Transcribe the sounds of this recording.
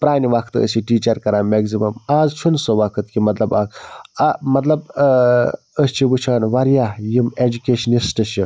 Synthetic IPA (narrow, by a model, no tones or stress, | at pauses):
pɾaːniʋɐkʰt̪ɨə̰siʈiːt͡ʃɐɾkɐɾãːmeɡzimɐmaːzt͡ʃʰunsoʋɐkʰɨt̪kimɐt̪lɐbaːzɐmɐt̪lɐb | əst͡ʃʰiʋut͡ʃʰaːnʋɐɾjajimed͡ʒukʲeːʃɐnisʈɨʃʰi